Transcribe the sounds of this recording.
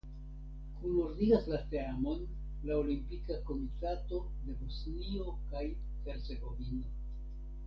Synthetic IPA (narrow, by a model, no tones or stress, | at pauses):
kunuɾdiɡaslateamo̞n | laolimpikako̞mitato̞ | de̞bosnio̞kaj | he̞ɾt͡se̞ɡo̞vino̞